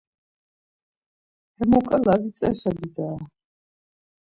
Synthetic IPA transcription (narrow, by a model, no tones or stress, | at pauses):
hɛmɔkʼalavit̪sʼɛ̰sʃabid̪aː